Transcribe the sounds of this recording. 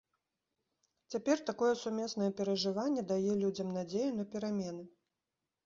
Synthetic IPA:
t͡sʲapʲɛrt̪akɔjɛsumʲɛsnɐjɛpʲɛɾɐʐɨvanʲːɛd̪ajɛlʲud͡zʲɐmnad͡zʲejunɐpʲɛɾamʲɛnɨ

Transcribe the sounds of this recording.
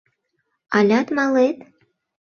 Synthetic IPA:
ɑlʲɑt̪mɑlet̪

